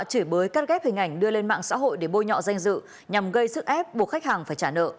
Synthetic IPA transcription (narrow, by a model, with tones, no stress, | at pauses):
t͡ɕɨ˧˩jɓəː˨˦jkaː˦˥t̚ɣɛ˦˥p̚hï˨˩ŋ̟ʔa˧˩jŋ̟ɗɨ˧əle˧nma̰ː˧˨ŋsa̰ː˧˥ɦo̰˧˨jɗe˧˩ɓo˧jɲɔ̰˧˨za˧jŋ̟zɨ̰˧˨ | ɲa˨˩mɣə˧jsɨ˦˥k̚ʔɛ˦˥p̚ɓu˨˩əkxa˦˥k̚haː˨˩ŋfaː˧˩jt͡ɕaː˧˩nə̰ː˧˨